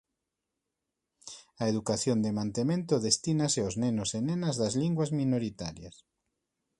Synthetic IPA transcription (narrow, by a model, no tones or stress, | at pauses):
ɐeðukaθjond̪emãnt̪emẽnt̪oðest̪inaseoznenosenenɐzðɐzliŋɡwazmĩnoɾit̪aɾjɐs